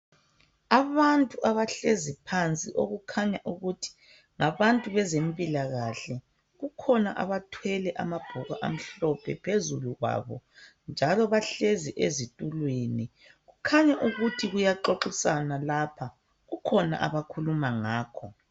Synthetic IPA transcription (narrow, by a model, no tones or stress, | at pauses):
aβantʼuʔaβaɬezipʰant͡sʼiʔoɣukʰaɲaʔuɣutʰi̥ | ŋaβantʼuβɛzempʼilaɣaɬɛ | ɣukʰɔnaʔa̰βatʰwɛlɛʔa̰mab̥ʱɔɣaʔa̰m̩ɬɔpʰɛpʰezuluɣwa̰βɔ | nd͡ʒʱalɔβaɬeziʔezitʼulweni | ɣukʰaɲaʔuɣutʰiɣujaǃoǃisanalaːpʰa | ɣukʰɔna̰ʔa̰βakʰulumaŋaːkʰɔ